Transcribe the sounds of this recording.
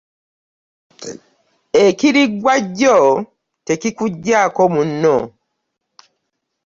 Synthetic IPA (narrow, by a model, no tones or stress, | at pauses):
ekiɾiɡwaɟo | tekikuɟːakomunːo